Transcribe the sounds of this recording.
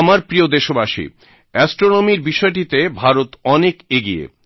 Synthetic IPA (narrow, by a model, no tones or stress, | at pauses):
amaɾpɾiod̪eʃobaʃḭ | ɛsʈɾonomiɾbiʃɔeʈ̬it̪ebʱaɾot̪ɔnekeɡiḛ